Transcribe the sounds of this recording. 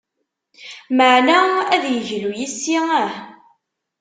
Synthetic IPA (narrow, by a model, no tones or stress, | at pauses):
məʕnææðjəʝlujisːiəħ